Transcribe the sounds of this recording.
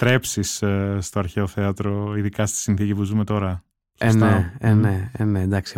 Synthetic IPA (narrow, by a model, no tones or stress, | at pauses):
t̪ɾe̞psisst̪o̞ɐɾçeoθeɐt̪ɾo̞iðikɐst̪i̥sinθicipuzume̞t̪o̞ɾɐ | sesnt̪eeneenend̪ɐksi